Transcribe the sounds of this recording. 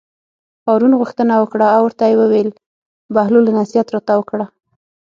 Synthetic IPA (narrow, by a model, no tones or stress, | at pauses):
pɑɾunɣuxt̪ənawəkɽaːwəɾt̪ajewəwel | bahlolanasijat̪ɾɑt̪awəkɽa